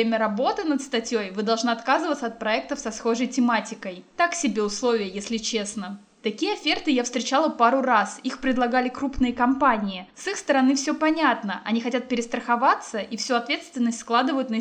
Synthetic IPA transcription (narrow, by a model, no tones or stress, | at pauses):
emʲəɾɐbo̞t̪ɨnət̪st̪ɐtʲjojvɨd̪ɐlˠʐnaɐt̪kazɨvət̪səɐt̪̚pɾɐɛk̚t̪əfsɐsxo̞ʐəjtʲɪmatʲɪkəjt̪aksʲɪbʲe̞ʊslˠovʲɪjəjesʲlʲɪt͡ɕe̞snə | t̪ɐkʲijəɐfʲert̪ɨjafst̪ɾʲɪt͡ɕalˠəpaɾʊɾasixpɾʲɪd̪lˠɐɡalʲɪkɾupnɨjəkɐmpanʲɪɪsɨxst̪əɾɐnɨfsʲopɐnʲat̪nəʔɐnʲixɐtʲat̪̚pʲɪɾʲɪst̪ɾəxɐvat̪səʔifsʲuɐt̪vʲe̞t̪st̪vʲɪnːəsʲtʲsklˠad̪ɨvəjʊt̪nə